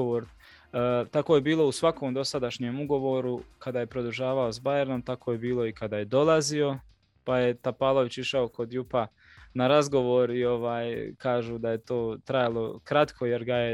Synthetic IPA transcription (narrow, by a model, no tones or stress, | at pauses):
ooːɾ | t̪akojebiːlo̞usʋako̞ːmd̪o̞sad̪aʃɲeːmuɡo̞ʋo̞ːɾukad̪aːje̞pɾo̞d̪uʒaːʋaozbajeɾno̞mt̪akʰoje̞biːlˠo̞ikad̪aːje̞d̪o̞lˠazio̞ | paje̞t̪apaːlˠo̞ʋit͡ɕiʃaoko̞d̪jupa | naɾazɡo̞ʋo̞ːɾio̞ʋaːjkaːʒuːd̪aje̞t̪o̞ːt̪ɾajalˠo̞kɾat̪kʰo̞je̞ɾɡaje̞